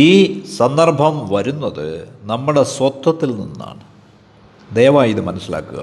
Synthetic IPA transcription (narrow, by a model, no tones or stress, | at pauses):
iːsɐnd̪ɐrbʱɐmʋɐɾunːɐðɨ̰nɐmːuɽe̞sʋɐt̪ːɐt̪ːilninːa̰ːɳɨ | d̪eːʋaːiðɨmɐnɐsːila̰ːkːṵɣɐ̰